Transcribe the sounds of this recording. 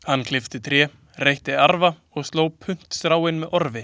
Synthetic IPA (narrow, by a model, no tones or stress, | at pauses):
hanːkʰlɪft̪ɪt̪ʰɾjɛː | rejht̪ɪaɾva | ɔɣst̪loːwpʰʏn̥t̪st̪ɾaːwɪnmɛðʔɔɾvɪ